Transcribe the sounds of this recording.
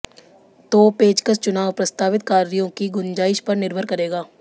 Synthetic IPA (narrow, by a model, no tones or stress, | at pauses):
t̪oːpeːd͡ʒkəst͡ʃʊnaːʋpɾɐst̪aːʋɪt̪kaːɾijõkiɡʊnd͡ʒaːɪʃpɐɾnɪɾbʱəɾkɐɾeːɡaː